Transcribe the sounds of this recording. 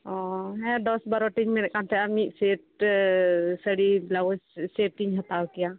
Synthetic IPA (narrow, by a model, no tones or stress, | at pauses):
ɔɦɛ̃d̪ɔsbaɾɔʈiɲmɛnɛkant̪ʰɛamiʔ̪seʈ̚ | səɽiblawɔsseʈːiɲɦət̪awkɛja